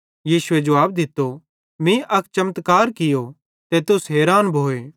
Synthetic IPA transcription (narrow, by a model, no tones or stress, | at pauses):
jiːsʊed͡ʒɐʋaːbd̪ɪt̪ːo | mĩʔɐkʰt͡ʃɐmət̪kaːɾkɪjo | t̪et̪ʊsɦɛːɾaːnbʱoːeː